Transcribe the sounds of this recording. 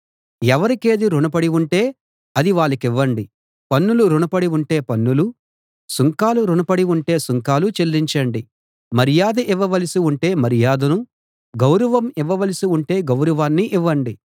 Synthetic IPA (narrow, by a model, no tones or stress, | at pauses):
ɛʋɐɾike̞ːd̪iɾuɳɐpɐɽiuɳʈe̞ː | ɐd̪iʋaːɭːɐkiʋːɐɳɖi | pɐnːuluɾuɳɐpɐɽiuɳʈeːpɐnːulu | suŋkaːluɾunɐpɐɽiuɳʈe̞ːsuŋkaːlut͡ʃelɾiɲt͡ʃɐɳɖi | mɐɾijaːd̪ɐʔiʋːɐʋɐlisiuɳʈe̞ːmɐɾijaːd̪ɐnu | ɡɐwɾɐʋɐmiʋːɐʋɐlisiuɳʈe̞ːɡɐwɾɐʋaːnːiʔiʋːɐɳɖi